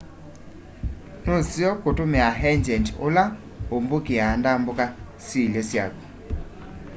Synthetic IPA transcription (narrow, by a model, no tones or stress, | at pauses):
nosjɔkotomɛaɦɛɲd͡ʒɛntola | ombokeaːndamboka | silɛsja̰ku̥